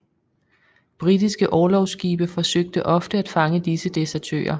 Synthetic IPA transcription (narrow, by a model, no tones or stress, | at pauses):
b̥ʁid̥isɡ̥əʔɒːlɒʊsɡ̥iːb̥əfɒ̽søɡ̥̚d̥əʔɒ̽fd̥əæd̥fɑ̈ŋəd̥isəd̥e̝sɛɐt͡sʰø̰ːɐ